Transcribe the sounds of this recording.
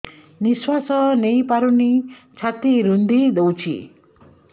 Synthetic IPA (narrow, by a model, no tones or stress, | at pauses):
niswasʌnejpaɾunit͡sʰat̪iɾund̪ʱid̪ɔwt͡sʰḭ